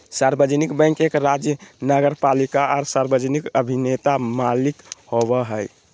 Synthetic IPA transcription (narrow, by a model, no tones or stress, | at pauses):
saɾbəd͡ʒənikbɛ̃ŋkekɾad͡ʒjənəɡəɾpalikaɔɾsaɾbəd͡ʒənikəbʱinet̪amalikhowəɦəj